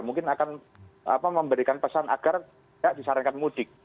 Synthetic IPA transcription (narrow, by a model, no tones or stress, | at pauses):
muŋkɪnakan | a̰paməmbəɾikanpəsanʔa̰ɡ̥ar | aʔdisaɾankanmud̥ɪk̚